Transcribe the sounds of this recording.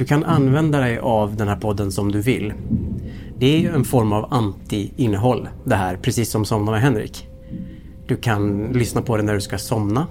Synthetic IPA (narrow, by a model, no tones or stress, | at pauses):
d̪ɵkʰanʔanːvɛnd̪ad̪ɛjʔavd̪ɛnhæːɾpʰɔd̪ːənsɔmd̪ɵvɪ̰lː | d̪ɛæɾjɵɛnfɔɾmavant̪ɪɪnːəɦɔlːd̪ɛɦæːɾpʰɾɛsiːsːɔmsɔmnanəɦɛnɾḭːk | d̪̥ɵkʰanlʏsnapʰɔd̪ɛnæɖɵskasɔmna